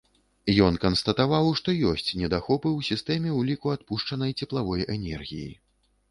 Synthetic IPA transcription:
jɔnkɐnst̪ɐt̪avawʂt̪ɔjɔsʲt͡sʲnʲɛd̪axɔpɨwsʲist̪ɛmʲɛwlʲikuat̪puʂt͡ʂɐnɐjt͡sʲɛplˠavɔjɛnʲɛrɣʲḭjḭ

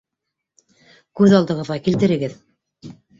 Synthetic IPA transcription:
kʉðɑlˠd̪ɤ̆ʁɤ̆ðʁɑkilt̪ɘ̆ɾɘ̆ɡɘð

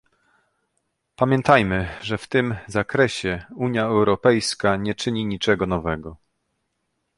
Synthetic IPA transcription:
pamʲjɛnt̪ʰajmɘʐɛft̪ɘmzakɾɛɕɛuɲjaɛwɾɔpɛjskaɲɛt͡ʂɘɲiɲit͡ʂɛɡɔnɔvɛɡɔ

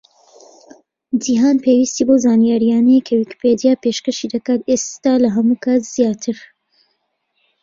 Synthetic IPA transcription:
d͡ʒiɦaːnpʰeːwiːst̪iːbozaːnijaːɾijaːnɛjkʰɐwiki̥ped̪ijaːpeʃkɐʃid̪ɐkaːt̪est̪aːlɐɦɐmuːkʰat̪z̥jaːt̪ʰɨɾ

